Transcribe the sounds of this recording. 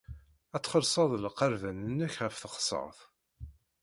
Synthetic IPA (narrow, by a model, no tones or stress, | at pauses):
æt͡sːχəɾsˤɑðˤlqəɾvænənːəçʁəfθəqsˤə̰ʁθ